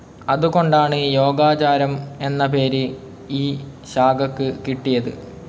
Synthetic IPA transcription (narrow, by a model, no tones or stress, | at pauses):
ɐðuko̞ɳɖaːɳɨjo̞ːɡaːt͡ɕaːɾɐme̞nːɐpe̞ːɾɨ | iː | ɕaːɡɐkːɨkiʈːijɐðɨ̰